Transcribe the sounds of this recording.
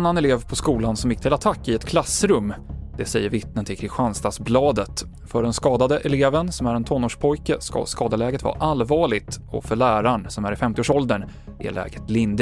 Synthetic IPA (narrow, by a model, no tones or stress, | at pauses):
nːanɛleːvpʰɔskuːlansɔmjɪk̚ːt̪ʰɪlat̪ʰakːɪɛt̪kʰlasːɾɵmːd̪̥ɛsɛjːəɾvɪt̪̚nənt̪ʰɪlkʰɾɪlɧanst̪ɑsblɑːd̪ət̪ | fœɖɛnskɑːd̪ad̪əʔɛleːvənsɔmæɾɛnt̪ʰɔnːoːʂpʰɔjkəska̰skɑːd̪əlɛːɡət̪vɑ̰ːʔalvɑːɭɪɡt̪ɔ̰fœɭæːɾaɳsɔmæɾɪfɛmt̪ɪoːʂɔld̪əɳ | ʔɪ̰lɛ̰ːɡət̪lɪnd̪